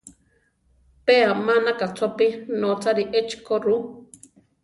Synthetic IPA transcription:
peamanakat͡sʰopinot͡saɾiʔet͡ʃkoɾu

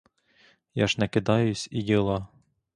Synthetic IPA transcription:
jɑʒnɛkɪd̪ɑjʊsʲijʲilˠɑ

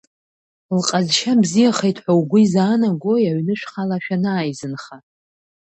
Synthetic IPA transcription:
lqʼazʃabzijaχejtʰʼħʷawɡʷʊizaːnaɡʷojaɥnɨʃʷᶣχalaʃᶣanaːjzɨnχa

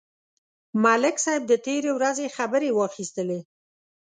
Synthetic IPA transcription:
malɪksɑjɪb̚d̪ət̪eɾewɾazexabəɾewɑxist̪əle

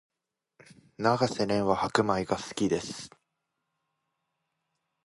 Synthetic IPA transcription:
naɡase̞ɾẽ̞ɰ̃βahakɯ̟maiɡasɨ̥kʲid̪e̞sɨ̥

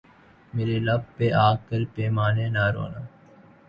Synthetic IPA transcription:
meːɾeːlab̚peːʔaːkːəlpeːmaːnẽːnaːɾo̰ːnaː

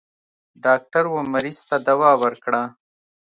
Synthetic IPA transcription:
ɖɑːk̚ʈaɾwomaɾiz̥t̪ad̪awɑːwəɾkɽa

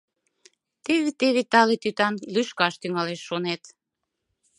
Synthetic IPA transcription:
t̪eβet̪eβet̪ɑlet̪yt̪ɑnlyʃkɑʃt̪yŋɑleʃːonet̪

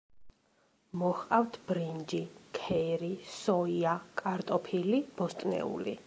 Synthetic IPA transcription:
mɔχqʼaft̪ʰb̥ɾind͡ʒikʰɛɾisɔiakʼaɾt̪ʼɔpʰilib̥ɔst̪ʼnɛ̰ṵli

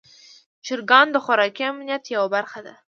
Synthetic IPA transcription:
t͡ʃɪɾɡɑnd̪əxʊɾɑkiamnijat̪jawabaɾxad̪a̰

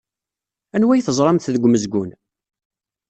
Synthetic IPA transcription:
ænwæjθəzˤɾˤɑmθðəɡʷːməzɡʷʊn

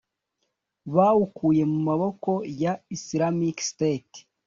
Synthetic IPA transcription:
βaːhukuje̞mumaβo̞ko̞jaisiɾamikstet

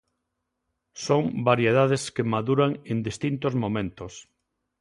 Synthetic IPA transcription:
soŋbaɾjeð̞að̞eskemaðuɾaŋend̪ist̪int̪ozmõmẽnt̪os

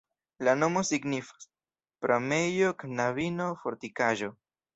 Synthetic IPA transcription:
lanomosiɡnifḁ | pɾʔomejoknaβinofoɾt̪ikaʒo

